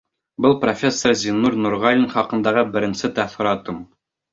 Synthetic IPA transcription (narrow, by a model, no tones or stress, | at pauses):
bɤlˠprofʲe̞sːoɾzʲinuɾnuɾʁɑlʲinχɑqɤ̆nd̪ɑʁɤbɘ̆ɾɘ̆nsɘt̪æθ̆ɾɑt̪ɤm